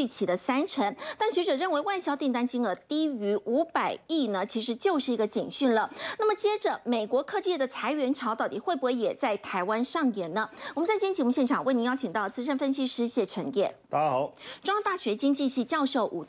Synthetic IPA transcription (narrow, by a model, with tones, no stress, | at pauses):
y˥˩t͡ɕʰi˨˩d̪ə˦sa˥nʈ͡ʂʰə˧˥ŋt̪a˥˩nɕɥɛ˧˥ʈ͡ʂɤ˨˩ɻə˥˩nwe˧˥ɪwa˥˩ɪɕjɑ˥ʊt̪i˥˩ŋt̪a˥nt͡ɕi˥ŋə˧˥t̪i˥y˧˥ʔu˧˥pa˨˩ɪi˥˩nə˩t͡ɕʰi˧˥ʂ̬ɻ̩˧˥t͡ɕjo˥˧ʊʂɻ̩˥˩i˧˥ɡə˧t͡ɕḭ˨˩ŋɕy˥˩nlə˩na˥˩mə˩t͡ɕjɛ˥ʈ͡ʂə˨me˨˩ɪkwɔ˧˥kʰɤ˥˧t͡ɕjɛ˥˩d̪ə˩t͡sʰa˧˥ɪɥɛ˧˥nʈ͡ʂʰɑ˧˥ʊt̪ɑ˥˩ʊt̪i˨˩xwe˥˩ɪpɔ˧˥jɛ˨˩t͡sa˥˩ɪt̪ʰa˧˥ɪwa˥nʂɑ˥˩ŋjɛ˨˩nə˦wɔ˨˩mə˦nt͡sa˥˩ɪt͡ɕʰɛ˥nt͡ɕʰi˧˥˩mu˥˩ɕjɛ˥˩nʈ͡ʂʰɑ˨˩ŋwe˥˩ɪni˧˥jɑ˥˩ʊt͡ɕʰi˨˩ŋt̪ɑ˥˩ʊt͡sɹ̩˥ʂə˥nfə˥nɕʰi˥ʂɻ̩˥ɕjɛ˥˩ʈ͡ʂʰə˧˥ŋjɛ˥˩˧ | ʈ͡ʂwɑ˥ŋt̪a˥˩ɕɥɛ˧˥t͡ɕi˥ŋt͡ɕi˥˧ɕi˥˧t͡ɕjɑ˥˧ʊʂo˥˩ʊʔṵ˨˩